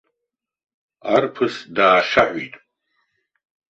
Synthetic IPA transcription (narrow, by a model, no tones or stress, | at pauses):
arpʰɨsdaːʃaħʷitʼ